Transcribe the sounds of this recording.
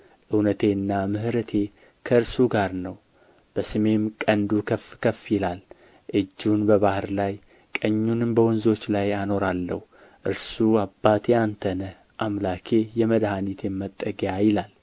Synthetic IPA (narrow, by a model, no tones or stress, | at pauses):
ʔɨwnət̪ʰe̞ɨnːamɨɦɾət̪ʰe̞ | kʰəɨɾsuɡaɾnəw | b̥əsɨme̞mkʼənd̪ukʰəfkʰəfːjɪlal | ʔɨd͡ʒːunbəβahɾlaj | kʼəɲːunɨmbəwɔnzo̞t͡ʃːlajano̞ɾalːə̰hu | ʔɨɾsuabːat̪ʰeant̪ʰənə | ʔamlakʰe̞jɛməd̪hanit̪ʰemːət̪ʼːəɡjajɪlal